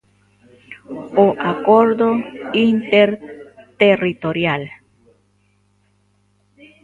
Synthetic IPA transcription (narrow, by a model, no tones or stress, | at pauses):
oʔakoɾd̪oint̪eɾt̪erit̪oɾjal